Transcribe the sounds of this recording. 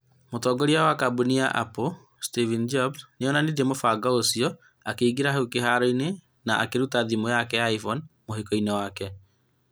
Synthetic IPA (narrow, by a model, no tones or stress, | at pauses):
motɔːɡɔɾiawakabuniaʔa̰po | stivind͡ʒɔbsneɔnaned͡ʒɛmofaɡɔosiɔ | akeiɡiɾaɦekeɦaɾɔine | naʔa̰keɾutaðimojakɛaifɔnmoɦekɔinewakɛ